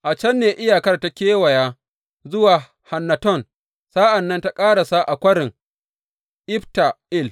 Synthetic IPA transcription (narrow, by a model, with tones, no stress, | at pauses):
ʔa˨t͡ʃɛ˦nːeː˨ʔɪ˦jaː˨kɐ˦rta˦kʲeː˦wɐ˨jaː˦ | zʊ˦waː˨ | ha˨nːa˨tɔ˦˨n | sa˦ʔa˨nːɐ˦nta˦kʼaː˦ɽa˨sa˦ʔa˨kʷɐ˦ɽɪ˨ŋ | ʔɪ˦ɸta˨ʔɪ˦˨l